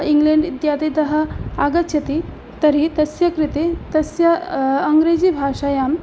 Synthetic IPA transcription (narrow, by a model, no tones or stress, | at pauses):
iŋɡleɳɖid̪jaːd̪it̪ɐɦɐ̆aɡɐt̪ɕʰɐt̪i | t̪ɐɾit̪ɐsjɐkɾit̪et̪ɐsjɐɐŋɡɾed͡ʑiːbʱaʂaːjaːm